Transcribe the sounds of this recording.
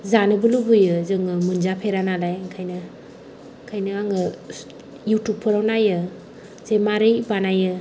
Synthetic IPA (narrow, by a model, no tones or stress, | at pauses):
zanɯbɯlubujɯzɯŋɯmɯnzapʰeɾanalajkʰajnɯ | kʰajnɯaŋɯ | jutup̚pʰɯɾawnajɯ | zejmaɾɯjbanajɯ